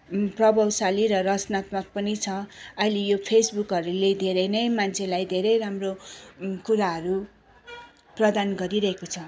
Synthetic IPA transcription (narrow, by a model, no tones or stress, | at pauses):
prʌbʌwsaliɾʌrʌt͡snat̪mʌk̚pʌnit͡sʰʌʌjlejopʰesbukɦʌɾuled̪ʱeɾʌjnʌjmant͡sʰelajd̪ʱeɾʌjɾamrokuɾaɦʌɾu | prʌd̪anɡʌɾiɾʌɦekot͡sʰʌ